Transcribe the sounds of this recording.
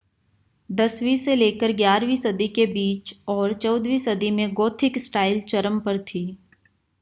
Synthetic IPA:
d̪ɐswiseleːkəɾɡjaːɾʋisɐd̪ikebiːt͡ʃɔːɾt͡ʃɔːd̪ʋisɐd̪imẽɡoːt̪ʰɪksʈaːɪlt͡ʃɐɾəmpɐɾt̪ʰiː

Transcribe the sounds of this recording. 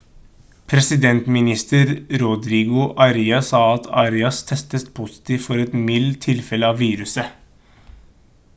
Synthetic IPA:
pʰɾɛsɪd̪ɛnt̪mɪnɪst̪əɾɾʊd̪ɾiːɡʊʔɑɾiːɑsɑːɑt̪ʰɑːɾɪɑst̪ʰɛst̪əst̪pʰusɪ̥t̪ʰiːʋfɔɾɛt̪mɪlt̪ʰːɪlfɛləɑːʋʋiːɾʉsə

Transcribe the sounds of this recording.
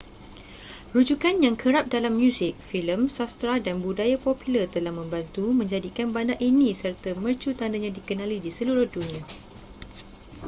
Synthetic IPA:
rud͡ʒukanjaŋkʰəɾap̚dalamːjũsɪk̚filəmsast̪ɾadanbudajapopilərt̪əlahmə̃mbant̪umə̃ɲd͡ʒadikanbandaʔinĩsərt̪amərt͡ʃut̪andaɲãdikənãlidisəluɾʊhdunĩa

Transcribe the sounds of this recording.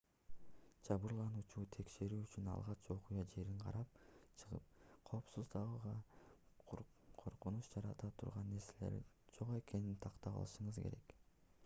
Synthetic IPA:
d͡ʒɑβɯɾlˠɑnuːt͡ʃuːt̪ʰe̞kʃe̞ɾyːyt͡ʃynɑ̰lˠʁɑt͡ʃo̞qujɑd͡ʒe̞ɾiɴqʰɑ̰ɾɑp̚t͡ʃʰɯʁɯ̰p̚qʰo̞ːpsuzd̪ɑʁɯʁɑ | qʰo̞ɾqunuʃd͡ʒɑɾɑt̪ɑt̪ʰuɾʁɑnːe̞ɾse̞le̞̰ɾ | d͡ʒo̞qe̞ke̞nint̪ʰɑqt̪ɑpɑ̰lˠɯʃɯɴɯzkʰe̞̰ɾe̞̰k

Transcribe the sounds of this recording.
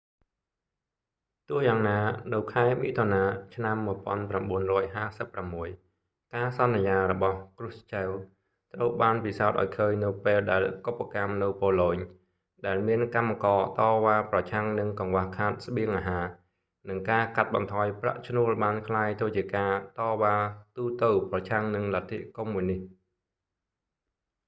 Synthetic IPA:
t̪ʊəhjaːŋnaːnɨwkʰaɛmiːt̪ʰonaːt͡ɕʰnamːuəjpŏənpramɓuənrɔːjɦaːsəpːramːuəj | kaːsɑnːijaːɾɔɓɑhkrŭəhst͡ɕəw | t̪rəwɓaːnpisaɔt̪̚ʔa̰ɔjkʰəːɲnɨwpeːlɗaɛlkopːakamnɨwpoːloːɲ | ɗaɛlmiənkamːakɑːt̪ɑːʋaːprɑt͡ɕʰaŋnɨŋkɑŋʋahkʰaːt̪̚səɓiəŋʔaːɦaː | nɨŋkaːkat̪̚ɓɑ̰nt̪ʰɑːjpra̰ʔt͡ɕʰnuəlɓaːnkʰlaːjt̪ʰəːt͡ɕiəkaːt̪ɑːʋaːt̪uːt̪ɨwprɑt͡ɕʰaŋnɨŋlat̪ʰːiʔkumːuəjnih

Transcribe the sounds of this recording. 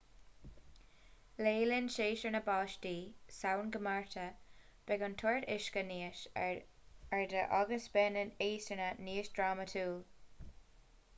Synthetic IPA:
leːlɪnʃeːʃəɹnəbaːʃtiːsawnɡəmaɹt̪ʰə | b̥ɛɡənt̪ʰɔɹtɪʃkəniːəʃ | ɛɹd̪əʔɔɡəsbɛnəneːstənaniːʃdɹaːmətʰuːl

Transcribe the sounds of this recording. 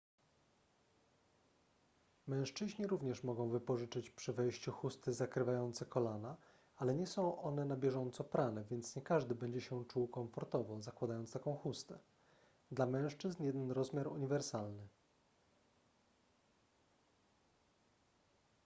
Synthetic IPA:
mɛ̃w̃ʂt͡ʂɘʑɲiɾuvɲɛʂmɔɡɔ̃w̃vɘpɔʐɘt͡ʂɘt͡ɕpʂɘvɛjɕt͡ɕuxust̪ɘzakɾɘvajɔnt̪sɛkɔlana | alɛɲɛsɔ̃w̃ʔɔnɛnabʲjɛʐɔnt̪sɔpɾanɛvʲjɛnt̪sɲɛkaʐd̪ɘbɛɲd͡ʑɛɕɛt͡ʂuwkɔ̃ɱfɔɾt̪ɔvɔzakwad̪ajɔnt̪st̪akɔ̃w̃xust̪ɛ | d̪lamɛ̃w̃ʂt͡ʂɘznjɛd̪ɛnɾɔzmʲjaɾuɲivɛɾsalnɘ

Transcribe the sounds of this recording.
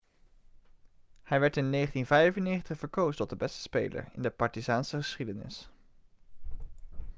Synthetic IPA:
hɛjʋɛɹtɪnːeχəntinvɛjəvənːejχəntəχv̥əɹkowzəntɔt̚dəbɛstə̥spḛjlə̰ɹɪ̰ndəpɑɹtizaːnsəχəsχidənɪ̰s

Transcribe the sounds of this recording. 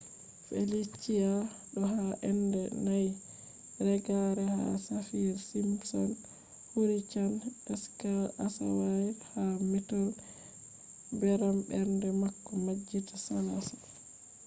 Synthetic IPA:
fḛlit͡ʃːija | ɗɔɦaʔɛndɛnaj | ɾɛɡaɾɛha̰safiɾsimpsɔn | huɾit͡ʃanɛskalasa̰wahamɛtɔl | bɛɾambɛɾndɛmakːɔmad͡ʒːitasanasḁ

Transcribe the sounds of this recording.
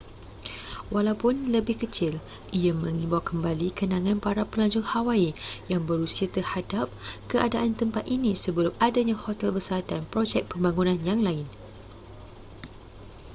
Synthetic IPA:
walawpʊnləbɪhkət͡ʃɪl | ʔiamə̃ŋĩbawkəmbalikənãŋãnpaɾapəlaɲd͡ʒʊŋhawaijaŋbəɾusiat̪ərhadap̚kəʔadaʔant̪əmpat̪inĩsəbəlʊmadaɲãhot̪ɛlbəsat̪anpɾod͡ʒɛk̚pəmbaŋunãnjaŋlaɪn

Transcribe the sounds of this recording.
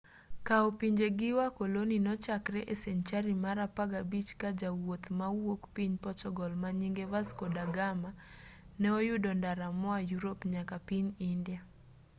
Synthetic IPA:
kaɔpiɲd͡ʒeɡɪwakoloninɔt͡ʃakɾɛʔesɛɲt͡ʃaɾimaɾapaɡabit͡ʃkad͡ʒawot̪mawokpiɲpɔt͡ʃɔɡɔlmaɲiŋɡevaskɔdaɡama | nɛojʊdɔndaɾamɔajuɾopɲakapiɲindia

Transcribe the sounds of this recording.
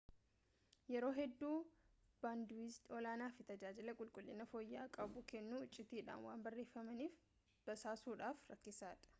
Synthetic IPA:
jɛɾo̞ːɦɛd̪ːuː | b̥aːnd̪isɔlaːnaːfɪt̪ɐd͡ʒaːd͡ʒɪlɐkʼʊlkʼʊlːɪnɐfoːjːaːkʼɐbʊkɛnːuʊt͡ʃʼːɪt̪iːᶑa̰ːnwaːnbɐrːe̞ːfːɐmɐniːf | b̥ɐsaːsuːᶑaːfɾɐkːɪsaːᶑɐ̥

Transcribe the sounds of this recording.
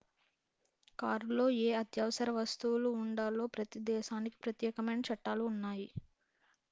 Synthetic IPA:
kaːɾlo̞ːeːɐt̪jɐːʋɐsɐɾɐʋɐst̪uwuluːɳɖaːlo̞ːpɾɐt̪id̪ɛːʃaːniki̥pɾɐt̪jɛːkɐmɐjnɐt͡ʃɐʈːaːluːnːaːji

